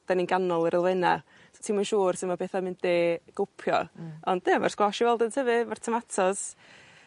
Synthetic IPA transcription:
d̥aninɡanɔlˠəɾʔəlˠvɛna̰ | sotʰiːmanʃuːrsɪnmapʰeθamɪndeːɡ̥ʊpʰjɔ̰ɔndnema̰rskwɔʃivɛlˠdəntʰəvɨmar̥tʰəmatʰɔs

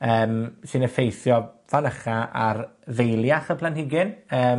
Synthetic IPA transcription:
əːmsɨnəfejθjɔvanəχaʔarvejlˠjaχəpʰlˠanhɪɡɪnəː

